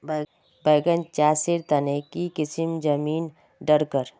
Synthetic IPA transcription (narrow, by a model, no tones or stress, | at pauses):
b | bəjɡənt͡ʃaːsiɾt̪ənekikɪsimd͡ʒəmiːn | ɖəɾkəɾ